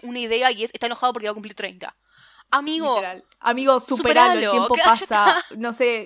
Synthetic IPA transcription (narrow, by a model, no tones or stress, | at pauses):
unaiðe̞aie̞sest̪aenoxaðop̬oɾkeβakumpliɾt̪ɾḛjnt̪a̰ | amiɣoal | a̰miɣosuupeɾalojempoapasanose